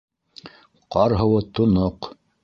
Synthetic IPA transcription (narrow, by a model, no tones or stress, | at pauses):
qɑɾɦɤ̆wɤt̪ŏnoq